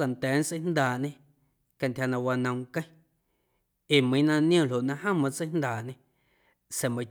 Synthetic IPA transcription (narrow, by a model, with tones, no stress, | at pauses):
ka˨nt̪ɛː˨˦n˦t͡sə˦jnd̪aː˨ɲẽ˧ | ka˧nt̪ʲhja˧nã˧wa˧nə̃˧w̃ŋkə̃˦j̃ | e˨mə̃˨˦nã˧nj̃õ˦˨lo˨ʔnã˧hã˦˨mã˧t͡sə˦nd̪aː˨ɲẽ˧ | se˨mə̃˧